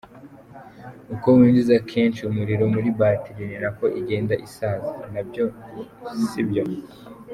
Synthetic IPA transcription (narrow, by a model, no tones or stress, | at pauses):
ukowiːndizakʰe̞ːnʃiumuɾiɾo̞muɾibaːtiɾineɾako̞ʔiɟe̞ːndaʔisaːzinabjozisibjo